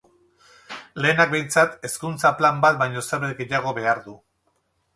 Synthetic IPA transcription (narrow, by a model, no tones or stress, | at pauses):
le̞ːnaɡ̚be̞jnt͡sat̪e̞skunt͡saplambat̪̚bajɲo̞seɾβeɡeʎaɣ̞o̞βe̞aɾðu